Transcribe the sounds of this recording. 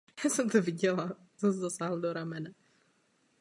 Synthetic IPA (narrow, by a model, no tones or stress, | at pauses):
jasɛmt̪ɔviɟɛla | sɛms̬ɛd̪osaɦl̩d̪oɾamɛna